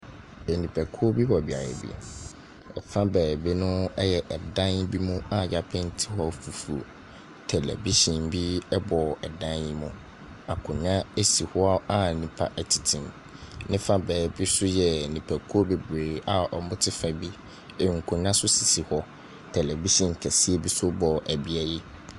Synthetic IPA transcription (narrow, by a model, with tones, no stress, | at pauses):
e˨nĩ˨pʰæ˨kʰu˦o˦bi˦wɔ˨bi˨a˨ɾɛ̰˨bḭ˦ | ɛ̰˨fã˦bɛː˨bi˦nʊ̃˦ɛ˦jɛ˨ʔɛ˨dã˦n˦bi˦mʊ̃˦a˨ja˨pʰɛ̃˦n̩˦tʰi˦hɔ˦˨fu˨fu˨o˨ | tʰɛ˨lɛ̰˨bi˦ɕĩ˨mbi˦ɛ˦bɔ˨ɛ˨dã˦ni˦mʊ̃˦ | a˨kʰʊ̃˨ɲã˦e˦si˨hɔ˦a˦a˦nĩ˨pʰa̰˦ʔɛ˨tʰi̥˨tʰĩ˨m | nɪ̃˦fa˦bɛː˨bi˦sʊ˦jɛ˨nĩ˨pʰæ˨kʰu˦o˦be˨bɾeː˨a˨ʔɔ˨mʊ̃˦tʰɪ˦fa˨bi˦ | e˨ŋ̩˨kʰʊ̃˨ɲã˦sʊ˦si˨si˨hɔ˦ | tʰɛ˨lɛ˨bi˦ɕĩ˨ŋ˨kʰæ˨si˦e˦bi˦sʊ˦bɔ˨ʔæ˨bi˦æ˦ji˦